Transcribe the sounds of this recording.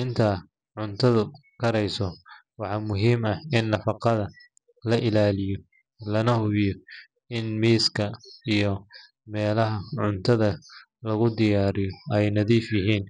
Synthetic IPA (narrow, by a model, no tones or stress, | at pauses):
ɪnt̪ʰaː | ʕʊnt̪ʰɐðʊkʰɐɾɛjsɔwɑħɑːmʊɦiːmɐɪnːɐfɑqɑðɐ | lɐʔɪlaːlɪjɔ | lɐnɐhʊβɪjɔ | ɪnmiːskʰɐijɔ | mɛːlɐɦɐʕʊnt̪ʰɐðɐ | lɐɣʊd̪ɪjaːɾɪjɔɛjnɐðiːfjɐɦiːn